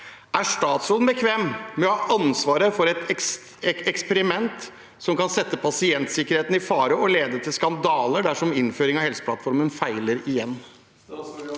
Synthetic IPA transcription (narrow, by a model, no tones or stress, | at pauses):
ʔæʂt̪ɑːt̪soːd̪nbəkʰʋeːmmɛɔhɑːʔɑnsʋɑːɾəfɔɾɛt̪ɛ | ɛkspəɾɪmɛnt̪ | sɔmkɑnsɛt̪ːəpʰɑsɪɛnt̪sɪkːəɾheːt̪n̩ɪfɑːɾəɔleːd̪ət̪ʰɪlskɑnd̪ɑːləɖæʂɔmɪnføːɾɪŋɑhɛlsə̥pʰlɑt̪fɔɾmənfæɪləɾɪjɛnː